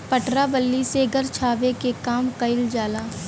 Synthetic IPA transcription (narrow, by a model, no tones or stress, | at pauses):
pɐʈɾabəlːiseɡɐɾt͡ʃʰaːʋekekaːmkɐɪld͡ʒaːlaː